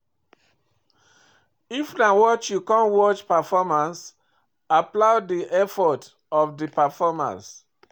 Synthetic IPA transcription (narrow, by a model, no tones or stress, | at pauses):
ifnawɔt͡ʃjukãnwɔt͡ʃpafɔmãns | aplaʊdiʔɛfɔt | ɔfdipafɔmã̰ns